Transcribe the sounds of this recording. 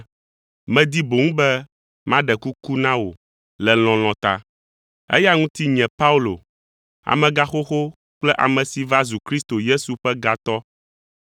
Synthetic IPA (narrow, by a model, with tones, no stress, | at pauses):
mɛ̃˨d̪i˦bo˨ŋũ˦bɛ˦ | mã˦ɖɛ˨ku˦ku˦nã˦wo̰˨ | lɛ˨l̃ɔ̃˨l̃ɔ̃˨t̪a̰˦ | ɛ̰˦ja˦ŋũ˦t̪i˦ɲɛ̃˨pa˦u˦lo̰˨ | a̰˨mɛ̃˨ɡa˦xo˦xo˦ | k͡plɛ˦ʔa̰˨mɛ̃˨si˨va˦zu˨kɾi˦st̪o˨je˦su˨ɸɛ˦ɡa˨t̪ɔ˦